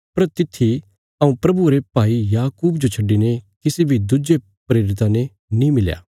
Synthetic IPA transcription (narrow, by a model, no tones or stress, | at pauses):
pɐɾt̪ɪt̪ʰːi | ɐũpɾɐbuɾepaːijaːkuːbd͡ʒot͡ʃʰɐɖːinekɪsibʱid̪ʊd͡ʒe | pɾeːɾɪt̪̬ãne | nĩmɪlja̰ː